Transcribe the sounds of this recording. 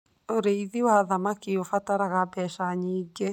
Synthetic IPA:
oɾeiðiwaðamakiofataɾaɣabɛʃaɲiːɡe

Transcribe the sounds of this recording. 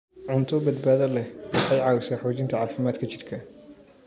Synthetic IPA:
ʕʊnt̪ʰɔbɐd̪̚baːðɐlɛwɑħɑjʕɑːwɪsaːħɔːt͡ʃɪnt̪ʰɐʕaːfɪmaːd̪kʰɐt͡ʃɪrkʰɐ

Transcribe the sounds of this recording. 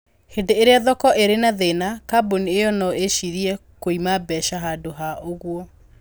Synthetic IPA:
hedeeɾeaðɔkɔʔeɾenaðenakaboniejɔnɔeʃiɾiɛkoimabɛʃaɦadoɦaʔoɣwɔ

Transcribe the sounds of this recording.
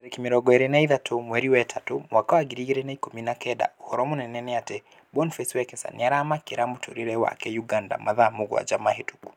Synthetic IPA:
ɾɛkimiɾɔɡɔɛɾɛnaiðatʰomwɛɾiwɛtʰatomwakɔaɡiɾiɡɛɾɛnaikominakɛda̰uhɔɾɔmɔnɛnɛnɛatɛ | bɔnfɛswɛkɛsa̰niaɾamakiɾamutʰo̰ɾiɾɛwa̰kɛjuɡanda̰mʔaðamuɡw̰a̰d͡ʒamaɦetu̥ku̥

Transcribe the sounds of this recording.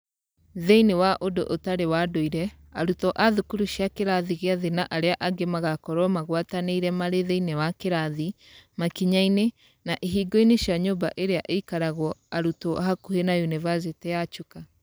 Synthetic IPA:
ðeinewaʔodo̰ʔotaɾewadoiɾɛ | aɾutɔʔaðukuɾuʃjakeɾaðiɣeaðenaʔaɾeaʔaɡemaɣakɔɾɔmaɣwataneiɾɛmaɾeðeinewakeɾaði | makiɲaine | naʔeɦiːɡɔineʃjaɲoːba̰ʔeɾeaʔeikaɾaɣwɔaɾutɔʔaɦakuhenajunivazetejat͡ʃuka

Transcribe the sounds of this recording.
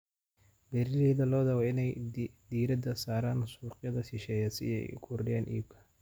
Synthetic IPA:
bɛɾɪɾɛːðɐlɔːd̪ɐɣɔɪnɛjd̪iːɾɐd̪ɐsaːɾaːnsuːqʼjɐðɐʃɪʃɛːjɐsɪ̰ɛ̰jʊ̰kʰʊrɖɪjaːnʔḭːb̚kʰɐ̥

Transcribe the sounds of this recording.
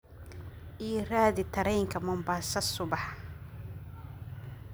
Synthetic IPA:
ʔiːraːðɪt̪ʰɐɾɛjŋkʰɐmʊmbaːsɐsʊβɑħ

